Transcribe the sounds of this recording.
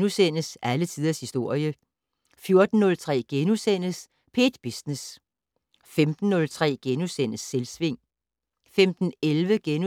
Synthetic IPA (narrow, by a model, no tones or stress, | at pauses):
nusen̰əsʔælət͡sʰið̞ˠɐshisd̥o̝ɐ̰jə | fjo̝ɐd̥n̩ːɔ̽lt͡sʰʁɛ̰ːɡ̥enusen̰əs | pʰe̝̰ːd̥b̥isnes | femd̥n̩ːɔ̽lt͡sʰʁɛ̰ːɡ̥enusen̰əsːelsʋe̝ŋ̰ | femd̥n̩elʋəɡ̥enu